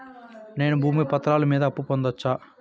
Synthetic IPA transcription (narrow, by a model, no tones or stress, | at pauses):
ne̞ːnubʱuːmipɐt̪ːɐɾaːlɐmiːd̪ɐːpːupond̪ɐt͡ʃːaː